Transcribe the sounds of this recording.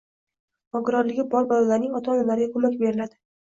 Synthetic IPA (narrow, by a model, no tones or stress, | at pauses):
ɒɡʲɪɾɒɾlɪɡʲɪbɒɾbalɒlaɾnɪŋɒt̪ʰaɒnamlaɾɪɡʲakʰomakʲbe̞ɾɪlad̪̥ɪ